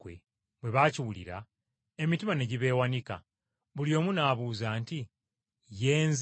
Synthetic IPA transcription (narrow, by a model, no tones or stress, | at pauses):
wḛ | βwe̞βaːciwulḭɾa̰ | e̞mitimane̞ɟiβe̞ːwanika̰ | βuljo̞ːmunaːβuːzaːnti | je̞ːnz